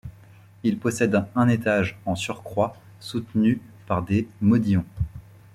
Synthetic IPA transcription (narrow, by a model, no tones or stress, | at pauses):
ilpɔsɛd̪ɛ̃ɛ̃net̪aʒɑ̃syʁkχwa | sut̪ny | paʁd̪emɔd̪jɔ̃